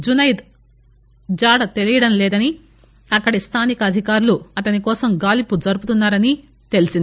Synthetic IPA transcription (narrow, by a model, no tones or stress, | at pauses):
d͡ʒunɐjd̪ | d͡ʒaːɽɐt̪e̞lijɐɽɐnlɛːd̪ɐni | ɐkːɐɽist̪ʰaːnikɐːd̪ʱikaːɾuluɐt̪ɐnikɔːsɐmɡaːlipːud͡ʒɐɾuput̪unːaːɾɐni | t̪e̞lisind̪i